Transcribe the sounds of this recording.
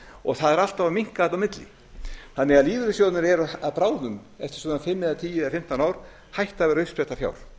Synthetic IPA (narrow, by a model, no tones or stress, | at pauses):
ɔɣθaðɛɾal̥t̪avamiŋ̥kat̪awmɪt̪lɪ̰ | θanːɛɣaðliːðʏɾɪsjowt̪nʏɾɛɾʏaðpɾaːwnʏm | ɛft̪ɪ̥ɾ̥sɔnanfɪmːɛðat̪ʰiːjɪafɪm̥t̪anaːwɾ̥ | hajht̪avɛɾaʏspɛt̪afja̰ːwɾ̥